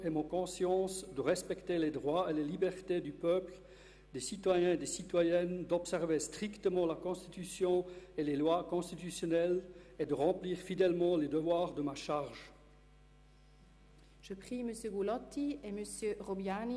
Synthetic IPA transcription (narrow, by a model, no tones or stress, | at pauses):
emɔ̃kɔ̃sjɑ̃sd̪əʁɛspɛkt̪eled̪ʁwaelelibɛʁt̪ed̪ypœpl | d̪esit̪wajɛ̃d̪esit̪wajɛnd̪ɔpsɛʁvest̪χikt̪əmɑ̃lakɔ̃st̪it̪ysjɔ̃elelwakɔ̃st̪it̪ysjɔnɛled̪əʁɑ̃pliːʁfid̪ɛlmɑ̃led̪əvwaːʁd̪əmaʃaʁʒ | ʒ̥əpχiməsjøɡulɔt̪ieməsjøʁɔbjan